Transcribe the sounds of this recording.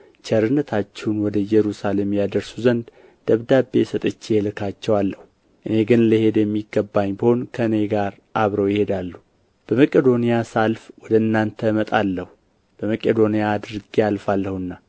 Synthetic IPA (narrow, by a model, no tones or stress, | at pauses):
t͡ʃɛɾɨnːət̪ʰat͡ʃːɛnwɔd̪əjɛɾusale̞mjad̪əɾsuzənd̪ | d̪̥əβd̪abːesət̪ʼət͡ʃːijɛlɨkʰat͡ʃːɛwalːəhu | ʔɨne̞ɡɨnləhe̞d̪jɛmːiɡːəbːaɲːbəho̞nkʰəɨne̞ɡaɾ | ʔaβɾəwjɪhe̞d̪alːu | b̥əməkʼed̪o̞nijasalfwɔd̪əɨnːant̪ʰəmət̪ʼalːəhu | b̥əməkʼed̪o̞nijaːd̪ɾɨɡijalfalːəhɨnːa